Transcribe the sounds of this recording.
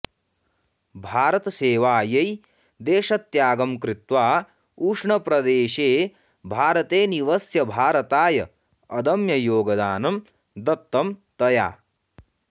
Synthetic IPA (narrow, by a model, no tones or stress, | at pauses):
bʱaːɾɐt̪ɐseːʋaːjɐj | d̪eːʃɐt̪jaːɡɐmkɾɪt̪ʋaː | uːʂɳɐpɾɐd̪eːʃeː | bʱaːɾɐt̪eːniʋɐsjɐbʱaːɾɐt̪aːjɐ | ɐd̪ɐmjɐjoːɡɐd̪aːnɐm | d̪ɐt̪ːɐmt̪ɐja̰ː